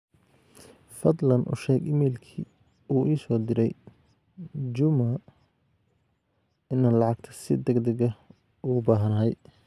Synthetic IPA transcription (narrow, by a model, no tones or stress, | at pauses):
fɐd̪lɐnʔʊ̰ʃɛːɡɪmɛːlkʰiː | uːʔiːsɔːd̪ɪɾɛj | d͡ʒʊmɐ | ɪnːɐlɑʕɑɡ̚t̪ʰɐ̥sɪd̪ɐɡd̪ɐɡɐ | ʊʊbaːɦɐnɐɦɛj